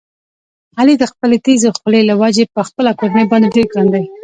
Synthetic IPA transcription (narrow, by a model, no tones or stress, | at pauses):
alid̪əxpəlet̪ezexʊlelawad͡ʒepəxpəlakoɾnajbɑnd̪eɖeɾɡɾand̪aj